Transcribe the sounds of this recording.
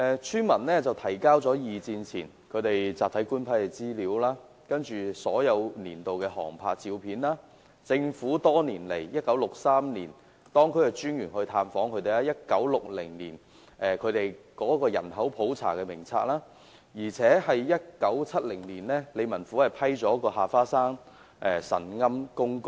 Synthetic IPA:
ʔɛː˨˧t͡ʃʰyː˥nmɐ˨˩nlɛː˥t͡sɐ˨wt̪ʰɐ˨˩jkaː˥wt͡sɔː˨˥jiː˨t͡siː˧nt͡sʰḭː˨˩n | kʰɵ˨˧ɥt̪e˨jt͡saː˨t̪ʰjkuː˥npʰɐ˥jkɛ˧t͡siː˥liː˨˧˥wlaː˥ | kɐ˥nt͡ʃyː˨sɔ̰ː˨˥jɐ˨˧wniː˨˩nt̪o˨wkɛː˧ɦɔ̰ː˨˩ŋpʰaː˧t̚t͡siː˧wpʰiː˨˥nlaː˥ | t͡sɪ˧ŋfuː˨˥t̪ɔː˥niː˨˩nle˨˩jjɐ˥t̚kːɐ˨˥wlʊ˨k̚saː˥mniː˨˩n | t̪ɔː˥ŋkʰɵ˨˥ɥɛ˨t͡ʃyː˥njyː˨˩nhɵ˧jt̪ʰaː˧mfɔː˨˥ŋkʰɵ˧ɥt̪e˨jlaː˦˥jɐ˥t̚kɐ˨˥wlʊ˨k̚lɪ˨˩ŋniː˨˩n | ʔɛː˨˧kʰɵ˨˧ɥt̪e˨jkɔː˨˥kɔː˧jɐ̰˨˩nɦɐ˨˥wpʰo˨˥wt͡sʰa̰ː˨˩kɛː˧mɪ˨˩ŋt͡sʰa̰ː˧k̚laː˥ | jiː˨˩t͡sʰɛː˨˥hɐ˨jjɐ˥t̚kɐ˨˥wt͡sʰɐ˥t̚lɪ˨˩ŋniː˨˩nlɛː˥le˨˧jmɐ˨˩nfuː˨˥hɐ˨˩jpʰɐ˥jt͡ʃɔː˨˥kɔː˧ɦaː˨˩faː˥saː˥ŋ | ʔɛː˧sɐ̰˨˩nŋɐ˥mkʊ˥ŋkʊ˧

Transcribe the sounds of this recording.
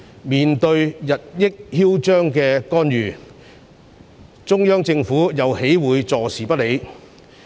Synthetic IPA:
miː˨nt̪ɵ˧ɥjɐ˨t̚jɪ˥k̚hiː˥wt͡ʃœː˥ŋkɛː˧kɔː˥njyː˨˩ | t͡sʊ˥ŋjœː˥ŋt͡sɪ˧ŋfuː˨˥jɐ˨whe˨˥jwuː˨˧jt͡sɔː˨˩siː˨˩pɐ˥t̚le˨˧j

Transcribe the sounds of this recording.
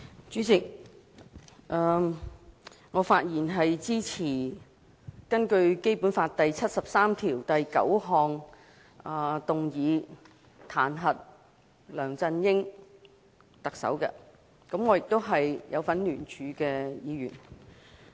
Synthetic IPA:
t͡ʃyː˨˥t͡sɪ˨k̚ | ʔɛː˧ | ŋɔː˨˧faː˧t̚jiː˨˩nɦɐ˨jt͡siː˥t͡sʰiː˨˩ | kɐ˥nkɵ˧ɥke˥jpuː˨˥nfaː˧t̚t̪ɐ˨jt͡sʰɐ˥t̚sɐ˨p̚saː˥mt̪ʰiː˨˩wt̪ɐ˨jkɐ̰˨˥wɦɔː˨˧ŋ | ɐː˨˧t̪ʊ˨ŋjiː˨˧ | t̪ʰaː˨˩nɦɐ˨t̚ | lœː˨˩ŋt͡sɐ˧njɪ˥ŋ | t̪ɐ˨k̚sɐ̰˨˥wkɛ̰˧ | kɐ˨˥mŋɔː˨˧jɪ˨k̚t̪o˥wɦɐ˨jjʔɐ˨˧wfɐ˨˥nlyː˨˩nt͡ʃʰyː˨˧kɛː˧jiː˨˧jy̰ː˨˩n

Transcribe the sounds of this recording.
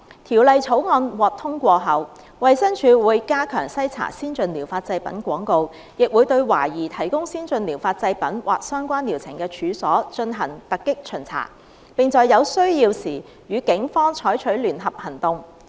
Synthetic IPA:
t̪ʰiː˨˩wlɐ˨jt͡sʰo˨˥wŋɔː˧nwɔː˨˩k̚t̪ʰʊ˥ŋkʷɔː˧ɦɐ˨˩w | wɐ˨jsɐ˥ŋt͡ʃʰyː˨˧wuː˨˧jkaː˥kʰœ̰ː˨˩ŋsɐ˥jt͡sʰa̰ː˨˩siː˥nt͡sɵ˧nliː˨˩wfaː˧t̚t͡sɐ˧jpɐ̰˨˥nkʷɔː˨˥ŋko˧w | jɪ˨k̚wu˨˧jt̪ɵ˧ɥwa̰ː˨˩jiː˨˩t̪ʰɐ˨˩jkʊ˥ŋsiː˥nt͡ʃɵ˧nli˨˩wfaː˧t̚t͡sɐ˧jpɐ˨˥nwʔaː˨˩k̚sœː˥ŋkʷaː˥nli˨˩wt͡sʰɪ̰˨˩ŋkɛː˧t͡ʃʰyː˨˧sɔː˨˥t͡ʃɵ˧nɦɐ˨˩ŋt̪ɐ˨kːɪ˥k̚t͡ʃʰɵ˨˩nt͡sʰa̰ː˨˩ | pɪ˨ŋt͡sɔː˨jːɐ˨˧wsɵ˥ɥjiː˧wsiː˨˩ | jyː˨˧kɪ˨˥ŋfɔː˥ŋt͡ʃʰɔː˨˥jt͡ʃʰɵ˨˥ɥlyː˨˩nɦɐ˨p̚hɐ˨˩nt̪ʊ˨˧ŋ

